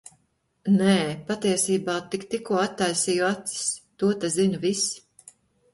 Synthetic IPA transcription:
neːpat̪iɛsiːbɑːt̪ikt̪ikuɔat̪ːajsijuat̪si̥st̪uɔt̪azinvisi̥

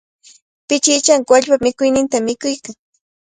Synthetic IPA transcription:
pɪt͡ʃɪt͡ʃaŋkwaʎpamɪkʊjnɪnt̪amɪkʊjkaŋ

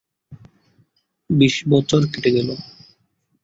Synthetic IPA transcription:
biʃbɔt͡ɕʰoɾkiʈeɡɛlo

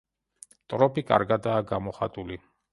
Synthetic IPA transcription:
t̪ʼɾɔpʰikʼa̰ɾɡad̪aːɡamɔχa̰t̪ʼuli

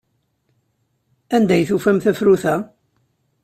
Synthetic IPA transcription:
ænd̪æjθufæmθæfɾuθæ

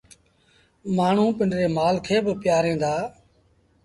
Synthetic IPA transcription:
maːɳ̤ũːpɪɳɾeːmaːlkʰeːbəpɪjaːɾẽːnd̪aː

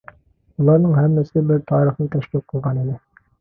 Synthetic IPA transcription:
ulˠɑɾnɤɴhæmːæsɘbɘɾt̪ʰɑɾiχlˠɤt̪æʃlip̚qɤ̆lˠʁɑnilɘ

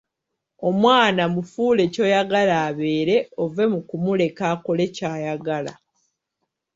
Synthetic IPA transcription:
o̞mwaːnamufuːle̞co̞jaɡalaːβe̞ːɾe̞o̞ve̞mukumule̞kako̞le̞caːjaɡala̰

